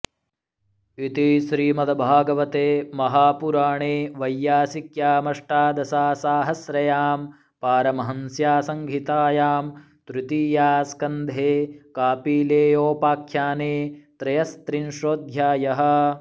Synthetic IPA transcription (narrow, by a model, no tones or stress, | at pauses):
it̪iʃɾiːmɐd̪ʱɐbʱaːɡɐʋɐt̪eːmɐɦaːpuɾaːɳeːʋɐjːaːsikjaːmɐʂʈaːd̪ɐsaːsaːɦɐsɾɐjaːm | paːɾɐmɐɦɐnsjaːsɐŋɡʱit̪aːjaːm | t̪ɾut̪iːjaːskɐnd̪ʱeːkaːpiːleːjoːpaːkʰjaːneːt̪ɾɐjɐst̪ɾinʃɾoːd̪ʱjaːjɐɦɐ̆